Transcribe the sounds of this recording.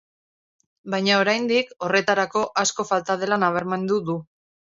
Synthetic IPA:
bajɲao̞ɾajnd̪iko̞re̞t̪aɾako̞ʔasko̞falt̪að̞e̞lanaβ̞e̞ɾme̞nd̪uðu

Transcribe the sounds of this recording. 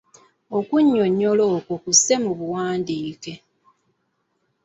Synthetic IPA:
okuɲːoɲːolo̞ːkokuse̞muβuwaːndiːke̞

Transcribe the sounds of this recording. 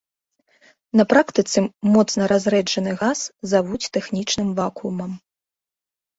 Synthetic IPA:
nɐpɾakt̪ɨt̪sɨmɔt̪snɐɾazɾɛd͡ʐɐnɨɣaszavut͡sʲt̪ɛxnʲit͡ʂnɨmvakumɐm

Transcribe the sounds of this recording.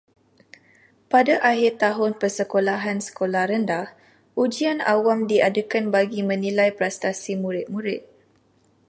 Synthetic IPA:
padaʔaɦɪrt̪aɦʊnpərsəkolaɦansə̥kolahɾəndah | ʔud͡ʒiana̰wamdiadəkanbaɡimə̃nĩlajpɾɛst̪asimũɾɪt̪̚muɾɪt̪̚

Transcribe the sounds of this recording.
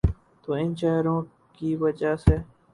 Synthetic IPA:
t̪oːɪnt͡ʃaːɾõː | kiːʋəd͡ʒaːseː

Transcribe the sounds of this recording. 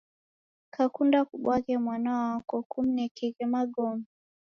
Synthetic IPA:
kakundakuɓwaɣɛmwanaɔakɔkum̩nɛkɛɣɛmaɡɔmi

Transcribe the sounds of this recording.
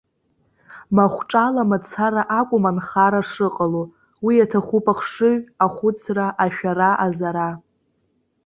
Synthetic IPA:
maχʷʈ͡ʂʼalamat͡sʰaɾaʔakʷʼʊmanχaɾaʂɨqʼalo | wijatʰaχʷʊpʼaχʂɨɥaχʷʊt͡sʰraʔaʃᶣaɾaʔazaɾa

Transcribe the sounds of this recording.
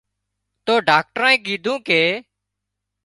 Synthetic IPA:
t̪oːɖaːk̚ʈəɾãːĩːɡiːd̪ʱũːkeː

